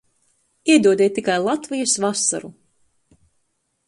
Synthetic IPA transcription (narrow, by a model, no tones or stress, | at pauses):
iɛd̪uɔd̪iːt̪ːikajlˠat̪vijusvasa̰ɾu